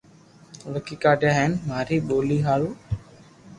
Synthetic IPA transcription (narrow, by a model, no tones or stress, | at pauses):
ʋəkiːkaːɖjaːɦeːnmaːɾiːɓoːliːɦaːɭuː